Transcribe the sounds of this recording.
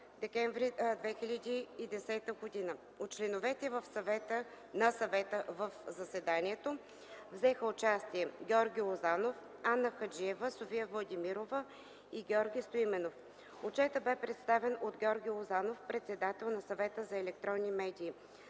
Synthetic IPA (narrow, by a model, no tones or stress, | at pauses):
d̪ɛkɛɱvɾid̪vɛxilʲɐd̪iːd̪ɛsɛt̪əɡod̪inə | ot̚t͡ʃlɛnovɛt̪ɛvəfsɐvɛt̪ə | nɐsɐvɛt̪əvəfzɐsɛd̪aniɛt̪o | vzɛxəʊt͡ʃast̪iɛɡʲɛɔɾɡʲiozanof | anːəxɐd͡ʒiɛvəsofijəvlˠɐd̪imiɾovə | iɡʲɛɔɾɡʲijst̪oimɛnof | ot͡ʃɛt̪əbɛpɾɛt̪st̪avɛnod̪ɡʲɛɔɾɡʲilˠozanofpɾɛt̪sɛd̪at̪ɛlˠnɐsɐvɛt̪əzɐɛlɛkt̪ɾɔnːimɛd̪iː